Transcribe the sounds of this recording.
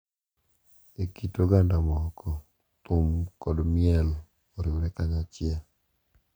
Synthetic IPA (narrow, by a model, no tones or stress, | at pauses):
ekitoɡandamɔkʰɔ | t̪ʊmkɔdmɪɛl | oɾɪwɾɛkaɲat͡ʃɪa